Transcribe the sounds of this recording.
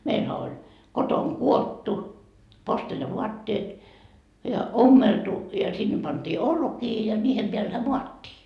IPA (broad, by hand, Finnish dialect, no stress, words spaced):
meilhæ olʲ kotoŋkuotːu posteljɑʋuɑtːeːt jɑ omːeltu jɑ sinːe pɑnd̥iː olkiː jɑ niːhem peælhæ muɑtːiː